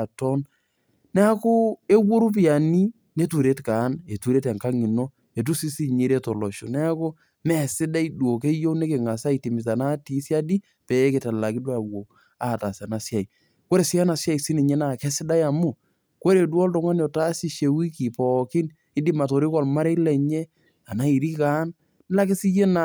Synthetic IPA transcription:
tɔ˦n | nɛ˦a˦kʊ˦e˦wo˦ɾu˦p̬ɪ˦a˨ni˦ | ne˦tu˨ɾe˦tkaː˨˦ne˨tu˨ɾe˦tɛ˨ŋka˦ŋɪ˨no˦ | e˨t̬u˦si˦si˦ɲi˨ɾe˦tɔ˨lɔ˨ʃo̰˨nɛ˦a˦kʊ˦ | mɛ˨sɪ˦da˦i˦du˨o˨k̬e˦jo˦ne˦kɪ˨ŋa˨sa˦i˨ti˨mɪ˨s̬a˨na˦ti˨˦sja˦di˦ | pɛ˨˦kɪ˨ta˨la˨kɪ˦dwa˨wo˨ | a˨ta˨sa˨na˨sja˨i˨ | ko˦ɾe˨sɪ˦a˦na˨sja˦i˨si˦nɪ˨ɲɛ˦na˨kɛ˦sɪ˦da˦ja˨mʊ˦˨ | ko˦ɾe˨dwɔ˦ltʊ˦ŋa˦no˨ta˦si˦ʃe˨wi˦ki˨pɔ˨kɪ˦n | ɪ˦di˦ma˨to˨ɾi˦kɔ˦˨lma˦ɾe˦lɛ˨ɲe˦ | a˨na˦i˨ɾi˦ka˦n˦ | la˦kɪ˦sɪ˦je˦na˨

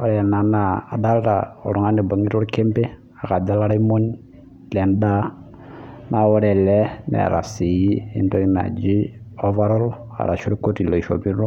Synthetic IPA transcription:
ɔ˨ɾɛ˨a˨na˨naː˨da˦lta̰˨o̰˨ɾu˨ŋa˦ne˨bo˨ŋi˦ɾo˦ɾke˦mbe˦ | a˨ka˨d͡ʒa˦la˦ɾa˦i˦mo˦n | lɛ˨mda˦ | na˨wo˦ɾɛ˨lɛ˦nɛ̰˨ɾa̰˨si˨ji˦ḭ˦nto˦i˦na̰˨d͡ʒi˦o˦va˦ɾɔ˦l | a̰˨ɾa̰˨ʃu˦ɾko˦ti˨lo˨i˨ʃo̰˨bi˦ɾu˦

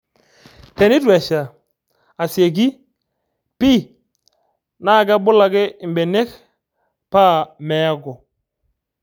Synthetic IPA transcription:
tɛ˨nɪ˦twɛ˨ʃa˨ | a˨sje˨ɡi˦ | pi˦ | na˦˨ɡa˦bʊ˦la˨ɡɪ˦ɪ˨mbɛ˨ne˦k | pa˦mɛ˨a˦ɡɔ˨

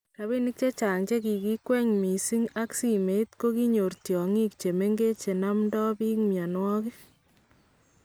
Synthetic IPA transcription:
ta˨βi˦ni˦k̚t͡ʃe˦t͡ʃa˨ŋt͡ʃe˦ki˨ki˦kwɛ˦ɲmi˨si˦ŋa˦ksi˨me˨itko˦ki˦ɲo˨ɾtjɔ˨ŋi˦kt͡ʃe˨me˦ŋɡe˦t͡ʃe˨na˦mdɔ˦bi˦kmja˨nwɔ˦ki˦

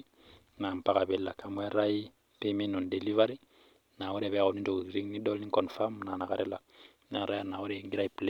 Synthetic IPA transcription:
na˨mpa˦ka˨bɛ˨la˨ka˨mu˦ɛ˦ɾa˦ji˦ | pe˦mi˦nɔ˨nde˨li˦va˦ɾi˦ | na˨wo˦ɾe˨βɛ˦ko˨nĩ˦to˨ɡu˨i˨ɾi˦ŋni˦dɔ˦lnĩ˦ŋkɔ˨n˨fa˦muna˨na˨ka˦ɾɛ˦la˨ | na˨ɾa˦jana˨wo˦ɾeŋɡiɾa˦i˨ple˦

